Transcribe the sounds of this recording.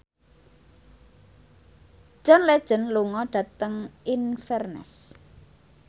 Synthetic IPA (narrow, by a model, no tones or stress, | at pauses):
ʒ̥ɔnled̥ʒ̥ə̤nluŋɔɖ̥ä̤t̪əŋinfɛrnɛ̰s